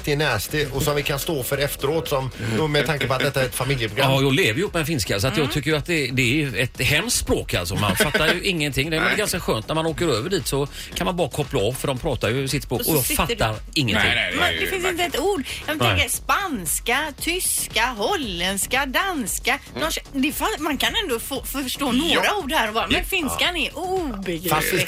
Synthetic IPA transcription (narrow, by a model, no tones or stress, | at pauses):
t̪ʰɪnæːst̪ɪɔsɔmvɪkʰanst̪oːfœːɾɛft̪əɾoːt̪sɔmːmɛt̪ʰaŋkəpɔat̪d̪ɛt̪ːaæɾɛt̪famɪljəpʰɾʊɡɾaɔːjɑːɡleːvəɾjəɵpːmɛd̪ɛfɪnskasɔat̪jɑːɡt̪ʰʏkːəjʉat̪̚d̪ɛd̪ɛæɛt̪hɛmst̪spɾoːka̰lsɔma̰nfat̪ːaɾjɵʔɪŋːənt̪ʰɪŋːd̪ɛmɛɡanskaɧøːnt̪næɾmanoːkəɾøːvəɖiːt̪sɔ | kʰanmanbɑːɾakʰɔplaɔvfœɖɔmpʰɾɑːt̪aɾjɵsɪt̪ːspɾoːkkɔjɑɡfat̪ːaɾ | ɪŋːənʰɪ̰mɛnd̪ɛfɪnsɪnt̪əɛt̪ːuːɖɑvɛnt̪ɛŋkəɾspanskat̪ʰʏskaɦɔlːɛnd̪skad̪anskad̪ɔsd̪ɛfamankʰanɛnd̪ofoːfœʂʈoːnoːɾauːɖhæɾɔbɑːɾamɛnfɪnskanɛɾʔubɛɡɾ